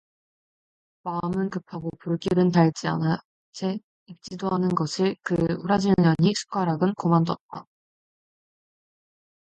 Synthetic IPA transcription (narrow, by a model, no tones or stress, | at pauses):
maɯmɯnkɯpʰaɡopuɭɡiɾɯntaɭd͡ʑia̰na | t͡ɕʰe | ip̚t͡ɕ͈idoɦanɯnɡʌɕʰikɯuɾad͡ʑiɲaɲisʰu̥k͈aɾaɡɯnkomandʌt̚t͈a